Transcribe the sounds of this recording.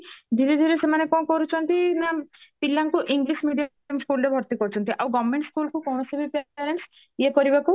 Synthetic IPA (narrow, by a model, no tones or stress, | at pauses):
d̪ʱiɾid̪ʱiɾesemanekɔ̃kɔɾut͡ʃʰɔnt̪inapilːaŋkuʔiŋɡlismiɖij | jɔmskulɾebʱɔɾt̪ikɔɾut͡ʃʰɔnt̪ʰiʔawɡɔʋmeɳʈskulkukɔwnɔsebʱipaɾeɳs | ekɔɾibaku